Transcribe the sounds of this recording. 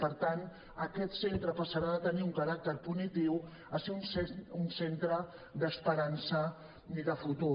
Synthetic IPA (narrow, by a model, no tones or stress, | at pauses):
pəɾt̪an | əkɛt̪sent̪ɾəpəsəɾaðət̪əniuŋkəɾak̚t̪əɾpunit̪iw | əseunsunsent̪ɾə | d̪əspəɾansə | iðəfut̪u